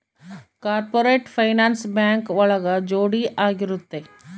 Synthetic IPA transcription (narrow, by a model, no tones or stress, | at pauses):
kaːɾpoːɾeːʈfʰɐɪnaːnsbɛ̃ːŋkʋɐɭəɡad͡ʒoːɽiʔaːɡɪɾʊt̪ːe